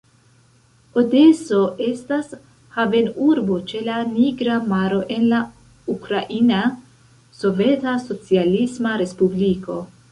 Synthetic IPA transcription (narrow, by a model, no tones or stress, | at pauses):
ode̞so̞ʔe̞stas | have̞nuɾbo̞t͡ʃe̞laniɡɾamaɾo̞ʔe̞nla | ukɾaʔina | so̞ve̞taso̞t͡sialismaɾe̞spubliko̞